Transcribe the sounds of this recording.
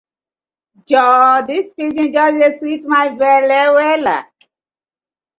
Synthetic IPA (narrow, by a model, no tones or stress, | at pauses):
d͡ʒɔdispid͡ʒĩnd͡ʒɔseswitmajvɛlɛwɛla̰